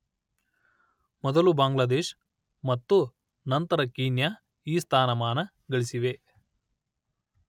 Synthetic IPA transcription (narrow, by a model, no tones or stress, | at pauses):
mɔd̪ɐlubaːŋɡlɐd̪eːʃ | mɐt̪ːu | nɐnt̪ɐɾɐkiːnja | iːst̪ʰaːnɐmaːnɐ | ɡɐɭisiʋe